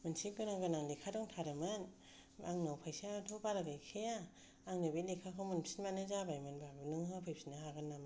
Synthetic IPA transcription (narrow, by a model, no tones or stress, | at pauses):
mɯnsʰikɯnaŋɡɯnaŋlikʰadɔŋtʰaɾɯmɯn | aŋnɯwpʰajsiatʰubaɾaɡakʰea | aŋnɯbilikʰakʰawmɯnpʰsʰinmanazabajmɯnbabnɯŋhapʰɯjpʰsʰinaɦaɡɯnam